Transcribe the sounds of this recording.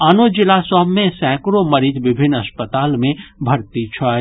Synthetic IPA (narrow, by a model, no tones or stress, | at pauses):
aːnod͡ʒɪlasɔɦmːẽsɛ̃kɾoməɾit̪ʋɪbʱɪnːəspət̪aːlmẽbʱɐɾt̪it͡ʃʰə